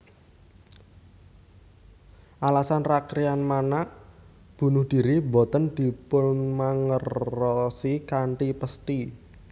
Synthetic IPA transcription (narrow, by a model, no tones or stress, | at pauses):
ʔalasanrakɾianmanaʔ | b̥ṳnʊhd̪̥i̤ɾibɔ̤t̪ənd̪̥i̤pʊnnmaŋərːɔsikaɳʈipəst̪i